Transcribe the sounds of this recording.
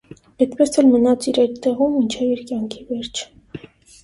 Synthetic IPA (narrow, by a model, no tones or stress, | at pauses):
ɛt̪pɛsɛlmənɑt͡siɾɑjt̪ːɛʁumːint͡ʃʰɛviɾkjɑŋkʰivɛɾt͡ʃʰ